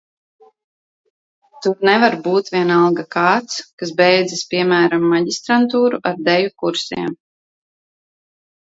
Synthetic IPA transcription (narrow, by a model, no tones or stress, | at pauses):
t̪uɾnɛvaɾbuːt̪vʲiɛnalˠɡakaːt̪skasbɛjd̪zispʲiɛmæːɾamːaɟist̪ɾant̪uːɾuʔaɾd̪ɛjukuɾsḭɛm